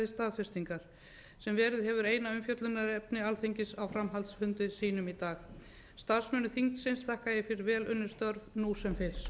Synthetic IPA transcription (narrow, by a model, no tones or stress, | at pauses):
ðɪst̪aːðfɪst̪iŋkaɾ̥ | sɛmvɛːɾɪðɦɛvʏɾejnaʏmfjœt̪lʏnaɾɛpnɪalθiɲcɪsawfɾamɦalt̪shʏnt̪ʏsiːnʏmit̪aːx | st̪aðsmœːnʏθiŋt̪sɪnst̪θahkajɪfɪɾɪɾvɛːlʏnːʏ̥st̪œɾvnusɛmfɪs